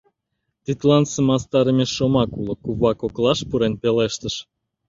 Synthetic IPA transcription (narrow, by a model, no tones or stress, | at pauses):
t̪it̪lɑnsəmɑst̪ɑɾəmʲeʃomɑkulə̆kuβɑkoklɑʃpuɾenpeleʃt̪əʃ